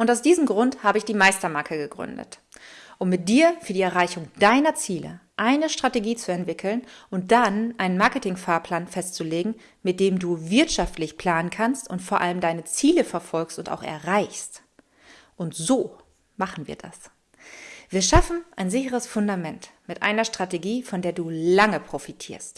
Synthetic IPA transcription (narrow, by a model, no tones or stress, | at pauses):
ʔʊntaʊsd̥iːzəm̩ɡʁʊnthaːbəɪçd̥iːmaɪstɐmakʰəɡəɡʁʏ̰ndə̰t | ʔʊmːɪt̚d̥iːɐfyːɐdiːɛɐʁ̞aɪçʊŋd̥aɪnɐt͡siːlə̰ʔaɪnəʃtʁ̥ateɡiːt͡suɛntv̥ɪkʰl̩nʊnt̚d̥anʔaɪnənmaɐkətɪŋfaːɐpʰl̥aːnfɛstt͡suleːɡŋ̩ | mɪt̚d̥eːmduːvɪɐtʃaftlɪçpʰl̥aːnənkʰanstʊntfoːɐʔaləmdaɪnət͡siːləfɛɐfɔlkstʊnta̰ʊxɛ̰ɐʁaɪçst | ʔʊntzoː | maχn̩viːɐda̰s | viːɐʃafn̩ʔaɪnzɪçəʁ̞əsfʊndamɛntmɪtʔa̰ɪnɐʃtʁ̥ateɡiːfɔndeːɐduːlaŋəpʁ̥ofitʰiːɐst